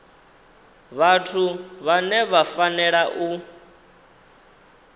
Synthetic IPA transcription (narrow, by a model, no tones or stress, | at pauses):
βatʰuβanɛβafanɛɺaʔu